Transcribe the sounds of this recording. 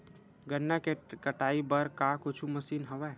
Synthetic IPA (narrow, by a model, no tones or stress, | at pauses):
ɡənːakekəʈaːibəɾkakʊt͡ʃʰuməsiːnɦəʋɛ